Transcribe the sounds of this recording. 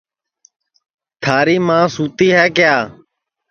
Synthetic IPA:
t̪ʰaːɾiːmãːsuːt̪iːɦɛːkɪjaː

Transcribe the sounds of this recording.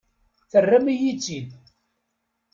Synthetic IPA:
θərːæmijit͡sːin

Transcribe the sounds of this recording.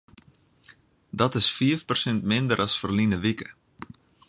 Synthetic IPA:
dɔtɪsfiəfpərsɛntmɪndəɾʔɑsfərlinəʋikə̥

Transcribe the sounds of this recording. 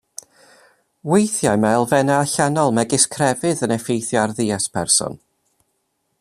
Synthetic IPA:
wejθjamaɛlˠvɛnaːɬanɔlˠmɛɡɪskʰrɛvɨðənɛfejθjɔarðiːaspʰɛrsɔ̰n

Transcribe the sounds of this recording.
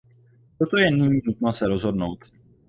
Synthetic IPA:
t̪ot̪o̞jɛnɪɲiːnut̪nosɛɾozɦo̞dno̞wt̪

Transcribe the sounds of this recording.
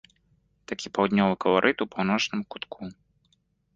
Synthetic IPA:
t̪akʲipawd̪ʲnʲɔvɨkɐlˠaɾʔɨt̪upawnɔt͡ʂnɨmkut̪kʰu

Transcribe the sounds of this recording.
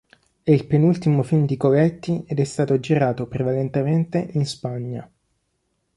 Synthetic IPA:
eilpenult̪imofimd̪ikovɛt̪ːiɛd̪ɛst̪aːt̪od͡ʒiɾaːt̪opɾevalent̪ement̪eʔinspaɲːa̰

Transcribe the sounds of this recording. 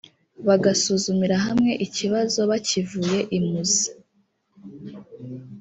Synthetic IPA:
βaɡasuːzumiɾaɦamŋe̞ʔiciβazo̞βacivuje̞ʔimuzii̥

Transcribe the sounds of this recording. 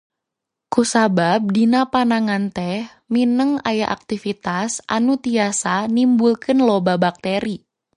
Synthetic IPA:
kusabab̚dinapanaŋant̪ɛh | minəŋa̰jaʔa̰k̚t̪ifit̪asʔa̰nut̪iasanimbulkɨnlobabak̚t̪eɾi

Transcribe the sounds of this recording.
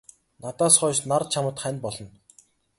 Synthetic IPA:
nat̪aːsχɔːʃnar̚t͡ɕʰamə̆t̪χænʲpɔɮɞ̆n

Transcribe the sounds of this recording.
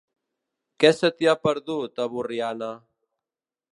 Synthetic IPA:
kɛsət̪iapəɾðut̪əβuriana

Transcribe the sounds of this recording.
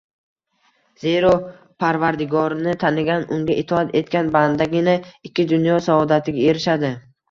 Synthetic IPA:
zeɾɒ | pʰaɾvaɾd̪ɪɡɒɾnɪt̪ʰanɪɡʲanʊŋɡʲaʔɪt̪ʰɒat̪ʰe̞t̪̚kʲanband̪aɡʲɪnaɪkʲʰːɪd̪ʊnjɒsaɒd̪at̪ʰɪɡʲae̞ɾɪʃad̪ɪ

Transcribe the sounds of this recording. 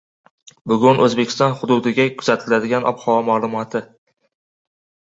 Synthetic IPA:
bʊɡʲʊnʔɵzbekʲɪ̥st̪ɒnχʊd̪ʊd̪ɪɡʲakʰʊ̥zat̪ʰɪlad̪ɪɡʲanʔɒ̰phɒmalˠʊmɒt̪ʰɪ

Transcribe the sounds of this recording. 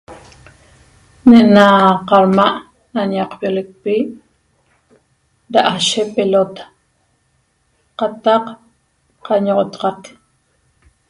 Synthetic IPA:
neʔnaqɑɾmaʔ | nanɑqpjolek̚pi | daʔaʃepelot̪ḁ | qɑt̪ɑq | qɑɲoʁot̪ɑ̥qɑk

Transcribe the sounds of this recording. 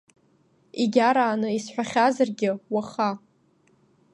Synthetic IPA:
iɡʲaɾaːnɨisħʷᶣaχʲazarɡʲɪwaχa

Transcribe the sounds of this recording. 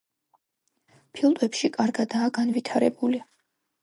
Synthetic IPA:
pʰilˠd̪ɛpʃikʼaɾɡad̪aːɡanvit̪ʰaɾɛbuli

